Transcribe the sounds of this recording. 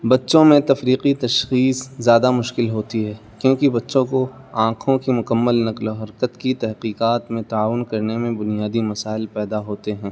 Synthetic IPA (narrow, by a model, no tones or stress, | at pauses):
bɐtːʃõmẽt̪ɐfɾiːqit̪ɐʃxiːszjaːd̪amʊʃkɪlɦoːt̪iɦɛː | kjõːkibɐtːʃõko | ãːkʰõkimʊkəmːəlnɐqloɦɐɾkət̪kit̪ɛɦqiːqaːt̪mẽt̪aaːʋʊnkɐɾnemẽbʊnijaːd̪imɐsaːɪlpɛːd̪aɦoːt̪eɦɛ̃ː